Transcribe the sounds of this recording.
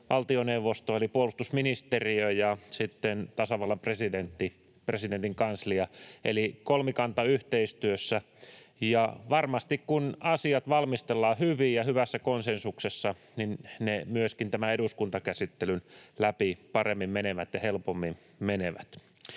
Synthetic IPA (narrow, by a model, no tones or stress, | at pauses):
ʋɑlt̪ioneuʋːost̪oelipuolust̪usminist̪eriøjɑsit̪ːent̪ɑsɑʋɑlːɑmpresident̪ːi | president̪iŋkɑnsliɑḛlikolmikɑnt̪ɑyht̪eist̪yøsːæ | jɑʋɑrmɑst̪ikkunɑsiɑt̪ʋɑlmist̪elːɑːhyʋijɑhyʋæsːækonsensuksesːɑ | ninnemyøskint̪æmæeɾuskunt̪ɑkæsit̪ːelynlæpipɑremːimmeneʋæt̪jɑhelpomːim | meneʋæt̪